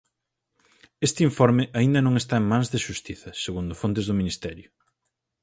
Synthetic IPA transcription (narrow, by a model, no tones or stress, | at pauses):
est̪ɪiɱfoɾmɪʔaĩnd̪ɐnõŋest̪aeŋmãnzðɪʃust̪iθɐseɣund̪ʊfont̪ɪzðʊminist̪ɛɾjʊ